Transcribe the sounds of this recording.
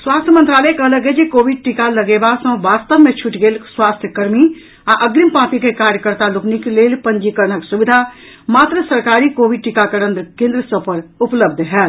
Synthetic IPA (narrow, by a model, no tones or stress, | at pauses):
swaːst̪ʰjəmənt̪ɾaːlɛkəɦələɡed͡ʒekoːbiɖ̚ʈikaləɡebasə̃ʋaːst̪əbmẽt͡ʃʰuʈɡeːlswaːst̪ʰjəkəɾmi | aʔəɡɾimpãːpikekaːɾjəkəɾt̪aluknikeleːlpənd͡ʒikəɾɳəksuʋid̪ʱa | maːt̪ɾəsəɾkaːɾikoːʋiɖ̚ʈikakəɾə̃nd̪əkẽnd̪ɾəsə̃pəɾʊpləbd̪ʱɦɛːl